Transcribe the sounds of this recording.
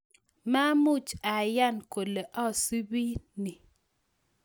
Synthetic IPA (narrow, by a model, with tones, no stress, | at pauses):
ma˦mu˦t͡ʃa˨ja˦˨nko˨le˨ʔɔ˦˨su˦bi˦ni˨